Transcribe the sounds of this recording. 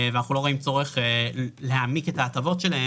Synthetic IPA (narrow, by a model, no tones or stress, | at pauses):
veanaχnulo̞ʁoimt͡so̞ʁeχlehamike̞taːt̪avo̞t̪ʃe̞lae